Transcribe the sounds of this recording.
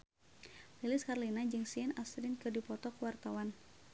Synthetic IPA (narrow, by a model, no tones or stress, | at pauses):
lilɪskarlinad͡ʒɨŋsiɛnasɾɪnkɨdipɔt̪ɔkuwart̪awan